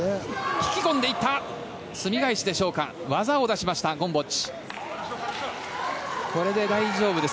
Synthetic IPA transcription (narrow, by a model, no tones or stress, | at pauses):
çi̥kʲikõ̞nd̪eit̪ːa | sɨmʲiɡaiɕid̪e̞ɕo̞ːka̰ | βazao̞d̪aɕimaɕi̥t̪aɡõ̞mbo̞t͡ɕi̥ | ko̞ɾe̞d̪e̞d̪aiʑo̞ːbɯ̟d̪es